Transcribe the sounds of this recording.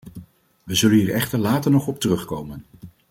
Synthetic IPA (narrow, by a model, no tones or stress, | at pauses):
ʋəzɵlənɦiːɹɛχtəɹlaːtəɹnɔχɔp̚tərɵχkowmən